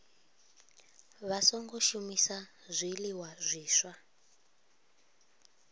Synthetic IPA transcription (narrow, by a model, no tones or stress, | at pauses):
βasɔŋɡɔʃumisazʷiliwazʷiːʃwa